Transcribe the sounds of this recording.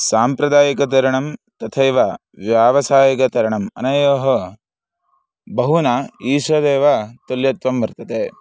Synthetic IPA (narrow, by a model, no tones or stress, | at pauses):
saːmpɾɐd̪aːjikɐt̪̬ɐɾɐɳɐmt̪ɐt̪ʰɐjʋɐ | ʋjaːʋɐsaːjɐkɐt̪ɐɾɐɳɐmɐ̰nɐjoːɦɐ̆ | bʱɐɦunaːiːʃʋɐd̪eːʋɐt̪uljɐt̪ʋɐmʋɐɾt̪ɐt̪eː